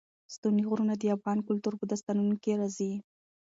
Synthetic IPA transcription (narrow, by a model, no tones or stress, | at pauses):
st̪uniɣʊɾunad̪əafɣɑnkʊlt̪uɾbud̪ast̪anunokeɾɑzi